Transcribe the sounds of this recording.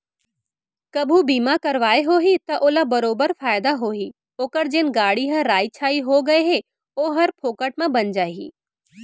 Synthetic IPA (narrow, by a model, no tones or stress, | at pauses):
kɐbʱubiːmakɐɾʋaːeɦoːɦit̪ɐʔoːlabɐɾoːbəɾfaːjɪd̪aɦoːɦi | oːkəɾd͡ʒɪnɡaːɽiɦɐɾaːit͡ʃʰaːiɦoɡɐeɦe | oːɦɐɾpʰoːkəʈ̚mãbɐnd͡ʒaːɦḭː